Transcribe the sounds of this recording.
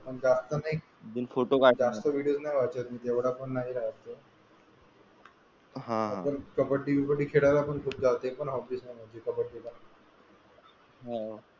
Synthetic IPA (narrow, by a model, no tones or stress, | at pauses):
pəɳd͡zast̪ənaɦi | d̪infoʈokad͡zast̪əʋiɽiosnajʋat͡ɕət̪miːt̪eʋɽapəɳːaɦiɾaɦt̪ə | ɦãaəɾkəpəɽʈiʋikoʈiːkʰeɽaɾapəɳkʰuːp̚d͡zaʋt̪epəɳɦɔfiːsnajm̤əd͡ʑikəpəɽɖila | ɦo